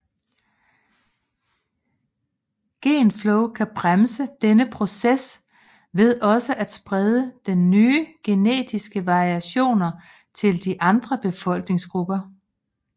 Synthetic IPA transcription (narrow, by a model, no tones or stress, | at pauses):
ɡ̥e̝̰ːnfloʊkʰæb̥ʁamsəd̥enəpʰʁo̝ses | ʋe̝ð̞ˠɒ̽səʔæd̥sb̥ʁɛð̞ˠəd̥enːyːɡ̥e̝nḛːd̥isɡ̥əʋɑ̈ʁiæɕo̝̰ːnɐ | t͡sʰe̝ld̥iʔɑ̈nd̥ʁɐb̥e̝fɒ̽l̰ɡ̥ne̝ŋsɡ̥ʁub̥ɐ